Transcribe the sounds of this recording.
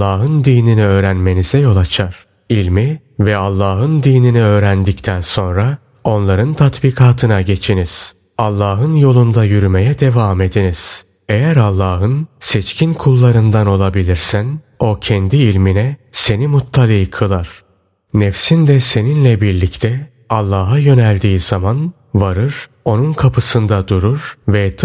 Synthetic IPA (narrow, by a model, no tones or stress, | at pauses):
aːɦɯnd̪iːniniø̞ːɾænme̞nizɛjo̞lˠat͡ʃʰaɾ̥ | ilʲmi | vɛalˠːaːɦɯnd̪iːniniø̞ːɾænd̪ict̪ʰænso̞nɾa | o̞nlˠaɾɯnt̪ʰat̪biːkʰaːt̪ʰɯnaɟe̞t͡ʃʰiniz̥ | alˠːaːɦɯnjo̞lˠund̪ajyɾyme̞jɛd̪e̞vaːme̞d̪iniz̥ | e̞jæɾalˠːaːɦɯnsɛt͡ʃcʰinkʰulˠːaɾɯnd̪ano̞lˠabilʲiɾsæno̞cʰɛnd̪iːlʲminɛse̞nimut̪ʰːalʲˠiːkʰɯlˠaɾ̥ | nefsind̪ɛse̞ninlʲɛbiɾlʲict̪ʰɛ | alˠːaːɦajø̞nælʲd̪iːz̥aman | vaɾɯɾ̥ | o̞nunkʰapʰɯsɯnd̪ad̪uɾuɾ̥vɛt̪